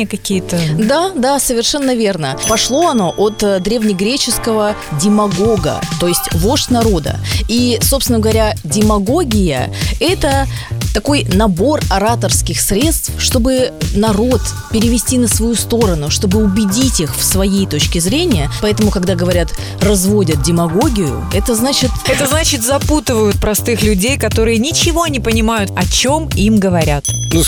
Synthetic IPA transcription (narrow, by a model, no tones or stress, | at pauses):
əkɐkʲijət̪əd̪ad̪asəvʲɪrʂɛnːəvʲe̞rnəpɐʂlˠo̞ɐno̞ʔot̪d̪ɾʲevnʲɪɡɾʲet͡ɕɪskəvə | dʲɪmɐɡo̞ɡə̰t̪o̞jɪsʲtʲvo̞ʂtʲnɐɾo̞d̪ə̰isopsvɪnəɡəvɐɾʲadʲɪmɐɡo̞ɡʲɪjə̰ɛt̪ət̪ɐko̞jnɐbo̞rɐɾat̪ərskʲɪxsɾʲe̞t̪st̪fʂt̪o̞bɨnɐro̞t̪pʲɪɾʲɪvʲɪsʲtʲinəsvɐjust̪o̞ɾənʊʂt̪o̞bɨʊbʲɪdʲitʲixfsvɐjejt̪o̞t͡ɕkʲɪzɾʲenʲɪjəpɐɛt̪əmʊkɐɡd̪aɡəvɐɾʲat̪ | rɐzvo̞dʲət̪̚dʲɪmɐɡo̞ɡʲɪjʊ̰ | ɛt̪əznat͡ɕɪt̪ɛt̪əznat͡ɕɪt̪zɐput̪ɨvəjʊt̪̚pɾɐst̪ɨxlʲʉdʲejkɐt̪o̞ɾɨjənʲɪt͡ɕɪvo̞nʲɪpənʲɪmajʊt̪ɐt͡ɕo̞mimɡəvɐɾʲat̪nu